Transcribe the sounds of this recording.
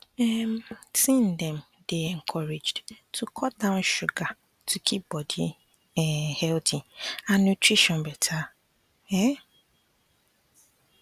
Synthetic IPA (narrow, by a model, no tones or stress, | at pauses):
ɛmtʰĩndɛ̃m | deɛ̃ŋkʰɔɹed͡ʒdtʰukʰɔt̚dãʊ̃nʃuɡa | tʰukʰip̚bɔdḭ | ɛhɛltʰĩãnnutʰɹiʃɔ̃nbɛtʰa | ɛ